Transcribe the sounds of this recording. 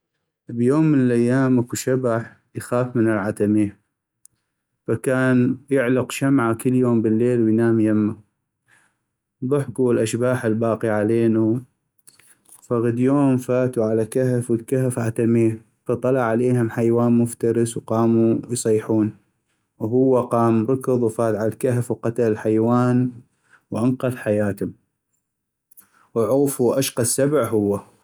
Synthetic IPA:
bjoːmːənəlʔajːaːmʔakuʃabaħ | jxaːfmənɪlʕat̪amiː | fakaːnjɪʕlʊqʃamʕakɪlːjoːmbəlːeːlwɪjnaːmjamːa | ðˤʊħkuɪlʔaʃbaːħɪlbaːqiʕaleːnu | faɣad̪joːmfaːt̪uʕalakahfwəlkahfʔat̪amiː | fɑt̪ˤːɑlɑʕʕaleːhʊmħajwaːnmʊft̪ɑɾɨswqɑːmujsˤɑjːħuːn | wɦʊwːaqɑːmɾˤʊkɨðˤwfaːd̪ʕalalkahfwqɑt̪allħajwaːn | wʔanqɑðħajaːt̪hʊm | wʕuːfuʔaʃqɑsabʕɦʊwːa

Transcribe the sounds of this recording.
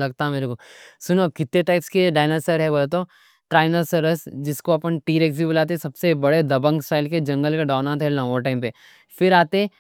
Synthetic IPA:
lɐɡ̚t̪aɦɛmeːɾekosʊnokɪt̪ːeʈaːɪpskeɖaːɪnəsəɾɦɛboːlet̪̬o | ʈɾaːɪnəsɐɾəsd͡ʒɪskoɐpənʈiːɾeːks̬ibəlaːt̪̬esɐbsebɐɽed̪ɐbə̃ŋɡsʈaːɪlked͡ʒɐ̃ŋɡəlkeɖaːnãt̪ʰɦɛlɐ̃ŋɡõʈaːɪmpe | fɪɾaːt̪e

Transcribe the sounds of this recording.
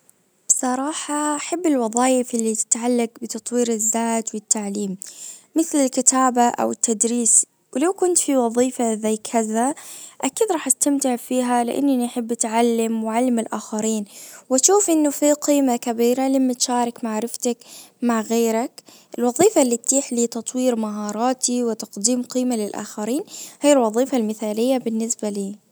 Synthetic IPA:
b̥sˤɑɾˤɑːħɑʔaħabːɪlwɑðˤɑːjɪfʔɪlːit̪ɪ̥t̪ʕalːaɡbɪt̪ɑt̪ˤwiːɾɪzːaːt̪wɪt̪ːaʕliːmːɪθlɪlkɪt̪aːbaʔa̰wɪt̪ʰːad̪ɾiːs | wlawkʊnt̪fiwɑðˤiːfazajkʰɪðaʔakiːd̪ɾˤɑːħʔast̪amt̪ɪʕfiːɦalɪ̰ʔa̰nːaniħɪbːʔat̪ʕalːamwʕalːamɪlʔaːxaɾiːnwɪt̪ʃuːfʔɪnːufiqiːmakabiːɾalamːat̪ʃaːɾˤɪkmaʕɾɪft̪akmaʕɣeːɾak | ʔɪlwɑðˤiːfalːit̪t̪iːħliːt̪ɑt̪ˤwiːɾmaɦɑːɾˤɑːt̪iwɪt̪ɑqd̪iːmqiːmalɪlʔa̰ːxaɾiːnhaːjːɪlwɑðˤiːfalmɪθaːlɪjːabɪnːɪsbaliː

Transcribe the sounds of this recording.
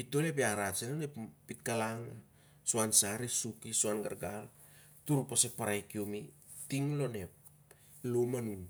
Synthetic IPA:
ito̞lep̬eaɾasenoneppit̚kalaŋa | suansaɾesukisuanɡa̰ɾɡal | tuɾupasepaɾajkiomi | tiŋlo̞ne̞p̚ | lomanun

